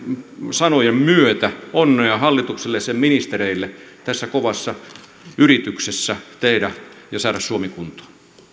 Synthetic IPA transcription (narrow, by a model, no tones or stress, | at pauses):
sɑnojemmyøt̪æonːeɑhɑlːit̪ukselːessemminist̪ereilːe | t̪æsːækoʋɑsːɑ | yrit̪yksesːæt̪eidæjɑsɑːɾɑssuomikunt̪o̥ː